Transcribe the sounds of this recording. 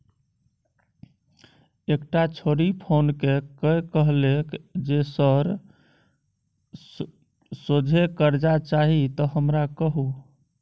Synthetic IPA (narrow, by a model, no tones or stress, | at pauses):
ekʈat͡ʃʰoɾipʰonkekəjkəɦlekd͡ʒesəɾ | sod͡ʒʱekəɾd͡ʒat͡ʃaɦit̪ɔɦəmɾakəɦu